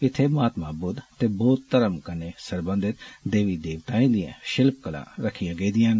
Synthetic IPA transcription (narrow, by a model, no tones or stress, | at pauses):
ɪt̪ʰːeːmaːt̪mãːbʊd̪t̪eːbɔːt̪ːəɾəmkəneːsəɾbə̃nd̪ɪt̪d̪eːʋiːd̪eːʋt̪aːĩːd̪ɪjã̰ːʃɪlp̚kəlã̰ːɾəkʰːijãːɡəiːd̪ɪjãːn